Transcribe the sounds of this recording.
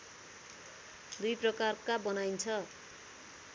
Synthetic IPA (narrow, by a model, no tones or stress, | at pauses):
d̪ujprʌkarkabʌnajnt͡sʰʌ